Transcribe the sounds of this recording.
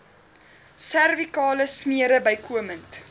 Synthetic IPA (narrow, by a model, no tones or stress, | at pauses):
særvikɑːləsmiəɾəbəjkʰuəmənt